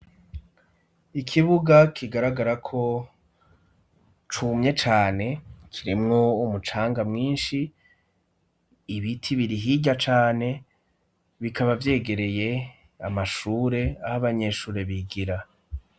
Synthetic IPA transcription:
ikʰiβuɡakʰiɡaɾaɡaɾakʰo̞ | t͡ʃumɲe̞t͡ʃaːne̞kʰiɾimŋo̞umut͡ʃaːŋɡamŋiːnʃi | βitʰiβiɾiɦiɟat͡ʃaːne̞ | βikʰaβavje̞ːɡe̞ɾe̞je̞ | amaʃuːɾe̞ahaβaɲe̞ːʃuːɾeβiɡiɾa

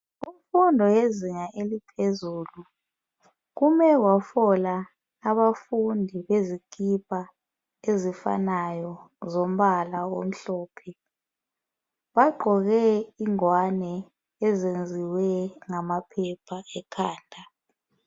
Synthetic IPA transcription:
um̩fundʱɔjeziŋaʔelipʰezuːlu | ɣumɛɣwafɔlaː | βafundʱiβezikipʰʼa | ezifa̰najɔ | zom̩ɓalawo̰m̩ɬɔːpʰɛ | βaɡ͡ǃʱɔɣɛiŋwanɛ | ɛzend͡zʱiwɛŋamapʰɛpʰaɛkʰaːndʱa

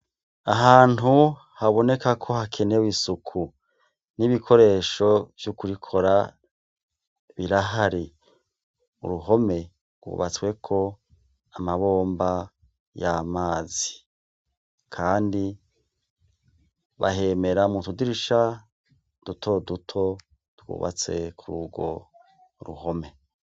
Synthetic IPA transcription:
aɦaːn̥ɦu | haβo̞ne̞kakʰo̞hakʰe̞newisukʰu | niβikʰo̞ɾe̞ːʃo̞vjukuɾikʰo̞ɾa | βiɾaɦaɾi | ṵɾuɦo̞me̞ | ɡwṵβa̰t͡swe̞kʰo̞ | amaβo̞ːmba | jamaːzi̥ | kʰaːndi | βa̰ɦe̞ːme̞ɾamutudiɾiʃa | d̥utʰo̞dutʰo̞ | dɡṵːβa̰t͡se̞kʰuɾuɡwo̞ | ɾṵɦo̞me̞

